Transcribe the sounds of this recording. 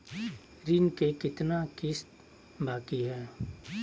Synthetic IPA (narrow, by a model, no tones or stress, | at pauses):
ɾɪnkekɪt̪nakɪst̪ | baːkiɦɛː